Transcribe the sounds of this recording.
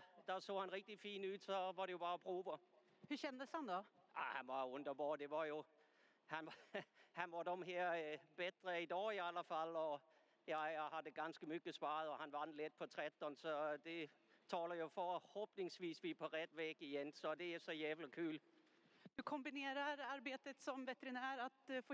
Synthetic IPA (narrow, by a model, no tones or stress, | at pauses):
d̥æso̰ːhænʁɛɡ̥̚d̥ifḭːnʉð̥sɒ̽ʋɑɾe̝jo̝b̥ɑ̈ːɒpʰʁuːʋə | hʉɕɛnd̪əshand̪ɔahænʋɑ̈ɔnd̥ɐbɔːd̥e̝ʋɑ̈jo̝ | hænʋɑhænʋɑdɔmɦeːɐ̰b̥ed̥ʁəid̥ɒ̰ːiæləfælɒ | jaɪhɑd̥̪əɡ̥ɑnsɡ̥əmʏɡ̥əspɑːəðˠɔhænʋɑnled̪̥̚pʰɔt̪ʰʁɛt̪ːɔnsɔd̥̪e | tʰɑːlɐjofɔhɔb̥nɪŋsʋiːsʋipʰɔʁɛd̪̥ʋɛːɡ̥ɪjensɔ̽d̪eæsɔjæːʋləkʰʉːl | d̪̥ɵkʰɔmbɪneːɾaɾaɾbeːt̪ət̪sɔmvɛt̪əɾɪnæːɾat̪f